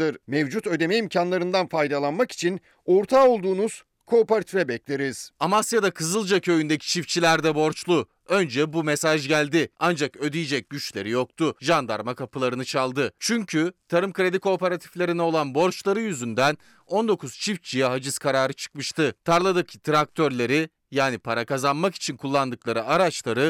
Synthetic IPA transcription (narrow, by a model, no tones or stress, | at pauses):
ɯɾmevd͡ʒut̪ø̞d̪e̞mɛimcʰanlˠaɾɯnd̪anfajd̪alˠanmaki̥t͡ʃʰin | o̞ɾt̪ʰao̞lˠd̪uːnuz̥ | kʰo̞ːpaɾat̪ʰyvɛbɛclʲe̞ɾiz̥amasjad̪akʰɯzɯlˠd͡ʒacʰø̞jynd̪ecʰi̥t͡ʃʰift͡ʃʰilʲæɾd̪ɛbo̞ɾt͡ʃlˠu | ø̞nd͡ʒɛbumesaʒɟælʲd̪ɪand͡ʒakø̞d̪ijid͡ʒɛc̚ɟyt͡ʃlʲe̞̰ɾijo̞k̚t̪ʰuʒand̪aɾmakapʰɯlˠaɾɯnɯt͡ʃʰalˠd̪ɯt͡ʃʰyɲcʰyt̪ʰaɾɯmkɾe̞d̪ikʰo̞ːpe̞ɾat̪ʰi̥flʲe̞ɾinɛo̞lˠanbo̞ɾt͡ʃlˠaɾɯjyzynd̪æn | o̞nd̪o̞kʰuz̥t͡ʃʰift͡ʃʰijɛɦad͡ʒɯskʰaɾaːɾɯt͡ʃʰɯ̥k̚mɯʃt̪ɯt̪ʰaɾlˠad̪ɯkt̪ʰɾak̚t̪ʰø̞ɾlʲe̞ɾi | jaːnipʰaɾakazanmaki̥t͡ʃʰinkʰulˠːand̪ɯklˠaɾɯʔaɾat͡ʃlˠaɾɯ